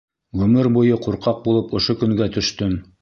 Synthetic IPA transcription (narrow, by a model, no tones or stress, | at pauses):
ʁɵmɘɾbujɤquɾqɑq̚bulˠɤpŏʃokɵ̆ŋɡæt̪ɵ̆ʃt̪ɵn